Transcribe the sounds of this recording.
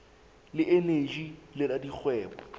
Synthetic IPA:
lɪʔeneʒilɪladik͡xʰwɛːbɔ

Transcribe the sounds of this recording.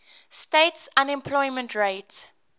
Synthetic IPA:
steɪtsãnɛ̃mpʰlɔɪmə̃ntʰɹeɪts

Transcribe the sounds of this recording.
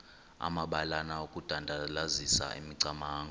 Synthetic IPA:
a̰maɓalanaokʼud̥ʱandʱalazisa̰ʔḭmiǀamaːŋɡʱɔ

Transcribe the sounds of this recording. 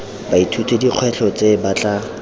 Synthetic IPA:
baitʰutʰediq͡χʰwɛɬʰɔt͡sebat͡ɬa

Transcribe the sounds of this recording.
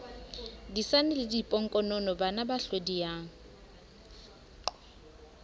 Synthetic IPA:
disanɪlɪdipʼɔŋ̩kʼɔnɔnɔbanabaɬodijaŋ̩

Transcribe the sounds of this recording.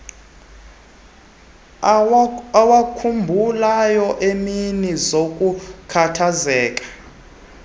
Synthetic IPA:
wakʰumbʱulajɔʔeminizokʼukʰatʰazɛːkʼḁ

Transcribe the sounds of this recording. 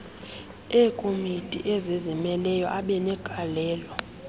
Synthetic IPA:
ɛːkʼomitʼḭʔɛzɛzɛmɛlɛjɔ̰ʔaɓɛnɛɡ̥ʱalɛːlɔ

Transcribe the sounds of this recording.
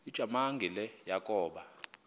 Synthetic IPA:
id̥ʒ̥ʱamaŋɡʱilɛjakʼɔːɓa

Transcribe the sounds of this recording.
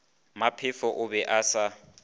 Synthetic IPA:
mapʰɪfɔʔʊbɛʔasa

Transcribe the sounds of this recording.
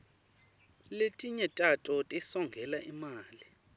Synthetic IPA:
letʼiɲɛtʼatʼɔtʼɛsɔŋɡʱɛlaʔimaːli

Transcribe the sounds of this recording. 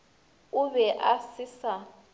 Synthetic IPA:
ʊβɛʔasisa

